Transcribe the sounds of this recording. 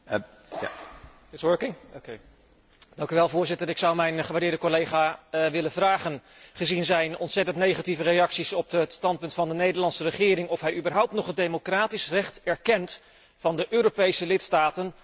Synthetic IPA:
ɪtswəɹkɪŋoke | dɑŋkyʋɛlˠvʊːɹzɪtəɾɪksʌwmɛjnχəʋaɹdɪːɹdəkolejχaːʋɪlənvraːχən | χəzinzɛjnɔntsɛtəntnejχativəɾejɑksisɔpətstɑnt̚pɵntfɑndənejdəlɑntsərəχɪːɾɪŋɔfɦɛjybərɦʌwp̚tnɔχədejmokraːtisrɛχtɛɹkɛnt | fɑndəʔøːɾowpejsəlɪtstaːtən

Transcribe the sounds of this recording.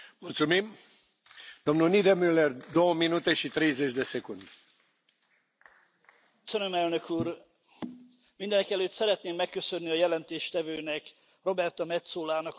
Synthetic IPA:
mult̪sumim | d̪̥o̞mnulnid̪emylerd̪o̞wəminut̪e̞ʃit̪ɾejzet͡ʃd̪e̞sekund̪ | sønømɛlnø̞kuːr | mind̪ɛnɛkɛløːt̪sɛɾɛt̪neːmːɛkːø̞sønːiɒjɛlɛnt̪eːʃt̪ɛvøːnɛk | ro̞bɛrt̪ɒmɛt̪soːlaːnɒk

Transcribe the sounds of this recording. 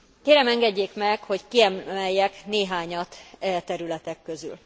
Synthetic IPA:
keːɾɛmɛŋɡɛɟːeːkmɛkho̞ckiɛmɛjːɛkneːɦaːɲɒt̪ɛːt̪ɛɾylɛt̪ɛkːøzy̰l

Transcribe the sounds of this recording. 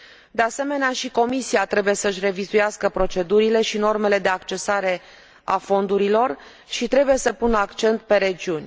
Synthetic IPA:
d̪e̞ase̞me̞neaʃiko̞misiat̪ɾe̞buje̞səɨʃ̬ʲre̞vizujaskəpɾo̞t͡ʃe̞d̪uɾile̞ʃino̞rme̞le̞d̪e̞akt͡ʃe̞saɾe̞ | afo̞nd̪uɾilo̞r | ʃit̪ɾe̞buje̞səpunəakt͡ʃe̞nt̪̚pe̞ɾe̞d͡ʒiunʲ

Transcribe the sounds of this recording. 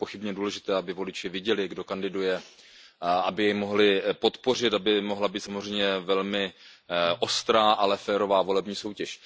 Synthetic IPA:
po̞xɪbɲɛduːlɛʒɪt̪ɛːabɪvo̞lɪt͡ʃɪvɪɟɛlɪɡdo̞kandɪdujɛ | abɪjɛjmo̞ɦlɪpot̪po̞r̝ɪt̪abɪmo̞ɦlabiːt̪samozr̝ɛjmɲɛvɛlmɪ | ʔo̞st̪ɾaːʔalɛfɛːɾo̞vaːvo̞lɛbɲiːso̞wcɛʃ

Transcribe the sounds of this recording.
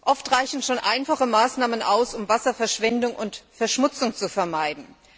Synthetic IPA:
ʔɔftʁaɪçn̩ʃoːnʔaɪnfaχəmaːsnaːmənʔaʊsʊmvasɐfɛɐʃv̥ɛndʊŋʔʊntfɛɐʃmʊt͡sʊŋt͡sufɛɐmaɪdn̩

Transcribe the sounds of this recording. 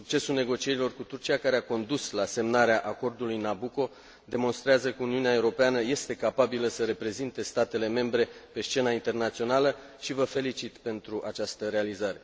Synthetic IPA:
suk̚t͡ʃe̞sulne̞ɡo̞t͡ʃie̞ɾilo̞rkut̪urt͡ʃijakaɾeako̞nd̪uslase̞mnaɾeaʔako̞rd̪ulujnabuko̞ | d̪e̞mo̞nst̪ɾeazəkəuniuneaeuɾo̞peanəje̞st̪e̞kapabiləsəɾe̞pɾe̞zint̪e̞st̪at̪e̞le̞me̞mbɾe̞pe̞st͡ʃe̞naint̪e̞rnat̪sio̞nalə | ʃivəfe̞lit͡ʃit̪pe̞nt̪ɾuʔat͡ʃast̪əɾe̞alizaɾe̞

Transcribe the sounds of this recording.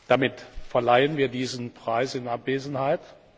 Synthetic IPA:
d̥amɪtfɛɐlaɪənviːɐdiːzn̩pʁ̥aɪsɪnʔapv̥eːzn̩haɪt

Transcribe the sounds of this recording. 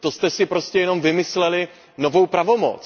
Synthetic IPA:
t̪o̞st̪ɛsɪpɾo̞scɛjɛno̞mvɪmɪslɛlɪ | no̞vo̞wpɾavo̞mo̰t͡s

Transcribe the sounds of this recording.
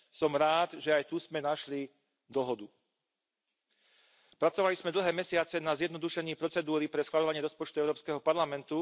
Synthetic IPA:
sɔmɾaːd̪ʒɛajt̪uz̥mɛnaʃli | d̪ɔɦɔd̪u | pɾat͡sɔʋalizmɛd̪l̩ɦɛːmɛsɪat͡sɛnazjɛd̪nɔd̪uʃɛɲiːpɾɔt͡sɛd̪uːɾipɾɛsxʋalʎɔʋaɲɪɛɾɔspɔt͡ʃt̪uɛʊɾɔːpskɛɦɔpaɾlamɛnt̪u

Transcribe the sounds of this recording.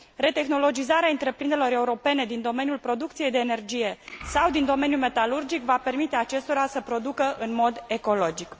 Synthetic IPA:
re̞t̪e̞xno̞lo̞d͡ʒizaɾeaɨnt̪ɾe̞pɾind̪eelo̞ɾe̞uɾo̞pe̞ne̞d̪ind̪o̞me̞njulpɾo̞d̪ukt̪sije̞jd̪eːne̞rd͡ʒije̞sawd̪ind̪o̞me̞njume̞t̪alurd͡ʒikvape̞rmit̪e̞at͡ʃe̞st̪o̞ɾasəpɾo̞d̪ukəʔɨnmo̞d̪e̞ko̞lo̞d͡ʒik

